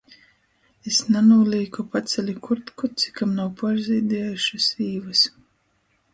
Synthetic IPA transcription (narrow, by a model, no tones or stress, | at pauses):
esnanuːlʲˠiːkupat̪sʲɛlʲikuɾt̪kut̪si̥kamnawpaɾziːd̪ʲiɛjuʃasiːvɨs